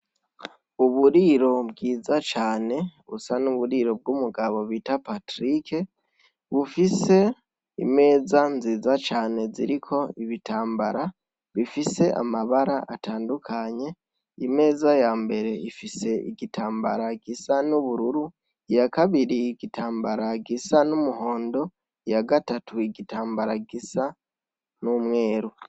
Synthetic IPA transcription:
uβuɾiɾo̞bɡiːzat͡ʃaːne̞βṵsanuβuɾiɾo̞b̚ɡuːmuɡaβo̞βitapatɾike | βufise̞ | ḭme̞ːzanziːzat͡ʃaːne̞zḭɾikʰo̞iβitaːmbaɾa | βifise̞ʔa̰maβaɾaʔataːndukʰaɲe̞ | ime̞ːzajaːmbe̞ɾe̞ifise̞ḭɡitaːmba̰ɾaɡisanuβuɾuɾu | jakaβiɾiːɡitʰaːmbaɾaɡisanumuɦo̞ːndo̞ | jaɡatatʰuiɡitaːmbaɾaɡisa | numŋe̞ːɾu

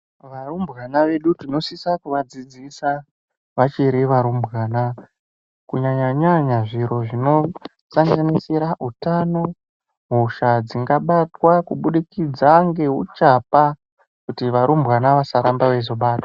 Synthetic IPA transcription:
ʋarumbɣanaʋe̞ɗutino̞sisakuʋad͡zid͡zisa | ʋat͡ʃeɾiʋaɾumbʱɣaːna | kuɲaɲaɲaɲaʐiɾo̞ʐino̞ | saŋɡanisiɾaʔutano̞ | ɦuʃad͡ziŋɡaɓatwakuɓuɗikid͡zaŋɡe̞ɦut͡ʃapa | kutiʋaɾumbɣwanaʋasaɾambaʋe̞zo̞ɓaːtḁ

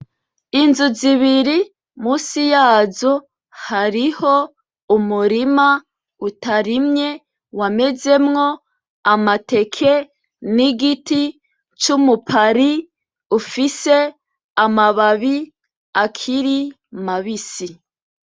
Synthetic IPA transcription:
inzuziβiɾi | muːsijaːzo | haɾiho | umuɾima | utaɾimɲe̞ | wame̞ze̞mŋo̞ | amate̞kʰe̞ | niɡiti | t͡ʃumupʰaɾi | ufise̞ | amaβaβi | akʰiɾi | maβisi

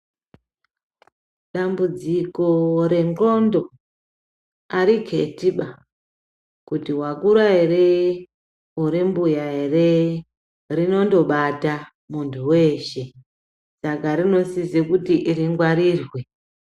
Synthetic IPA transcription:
ɗambud͡ziko̞re̞ŋko̞ndo̞ | aɾiɡʱe̞tiɓa | kutiwakuɾaere | uɾembujaɦere | rino̞ndo̞ɓata | muntʰuwe̞ːʃe̞ | sakaɾino̞sizekutiʔiɾiŋɡwaɾiːrwe

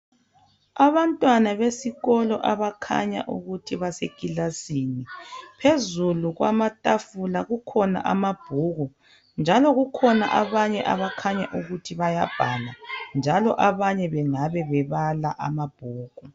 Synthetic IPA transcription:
aβantʼwanaβesiɣɔlɔʔaβakʰa̰ɲa̰ʔuɣutʰiβasekʼilasiːnipʰezuluɣwa̰matʼafulaɣukʰɔna̰ʔamab̥ʱuɣu | nd͡ʒʱalɔɣukʰɔna̰ʔaβaɲɛʔaβakʰaɲaʔuɣutʰiβajab̥ʱaland͡ʒʱalɔ̰ʔaβaɲɛβɛŋaβɛβɛβalaʔamab̥ʱuːɣu

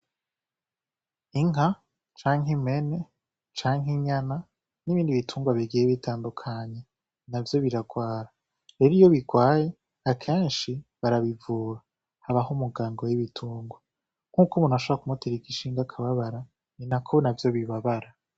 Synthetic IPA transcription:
iŋa | t͡ʃaːŋɦime̞ne̞ | t͡ʃaːŋɦiɲana | niβiːndiβitʰuːŋɡwaβiɡijeβitʰaːndukʰaɲe̞ | navjo̞βiɾaɡwaːɾa | ɾe̞ɾijo̞βiɡwaːje̞ | akʰe̞ːnʃiβaɾaβivuːɾa | haβaɦumuɡaːŋɡo̞jiβitʰuːŋɡwa | ŋ̥ukumuːnaʃoβakumutiɾikiʃiːŋɡakʰaβaβaɾa | ninakʰonavjo̞βiβaβaɾa

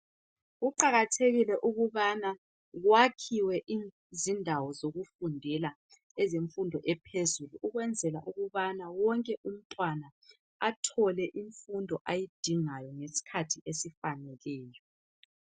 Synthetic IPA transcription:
ɣuǃaɣatʰeɣilɛʔuɣuβana | ɣwakʰiwɛʔi | zindʱawɔzoɣufundʱɛla | ɛzeɱfundʱɔʔɛpʰezuluʔːɣwɛnd͡zʱɛlaʔuɣuβanawɔŋkʼɛʔum̩tʼwana | atʰɔlɛʔiɱfundʱɔʔajid̥ʱiŋajɔŋesi̥kʰatʰiʔesifanɛlɛːjɔ

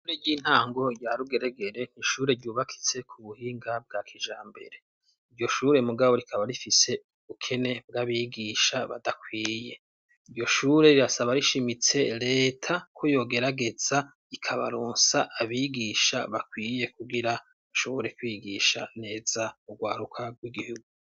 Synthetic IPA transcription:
ʃuʃuːɾejiːn̥haːŋɡo̞ɾjaɾuɡe̞ɾeɡe̞ɾe̞n̥iʃuːɾe̞ɾɟuːβakʰi̥t͡se̞kʰuβuhiːŋɡab̚ɡakʰid͡ʒaːmbe̞̰ɾe̞ | iɾjo̞ʃuːɾe̞muɡaβo̞ɾikʰaβaɾifise̞ | ukʰe̞ne̞b̚ɡaβiɡiʃaβa̰dakwiːje̞ | iɾjo̞ʃuːɾe̞ɾiɾasaβaɾiʃimit͡se̞ɾe̞ːtʰakʰojo̞ːɡe̞ɾaɡe̞za | ikʰaβa̰ɾoːnsaʔːβiɡiʃa̰βakwiːje̞kʰuɡiɾa | uʃoβo̞ɾe̞kwiːɡiʃane̞ːzauɡwaːɾukʰaɡwiɡihuɡu

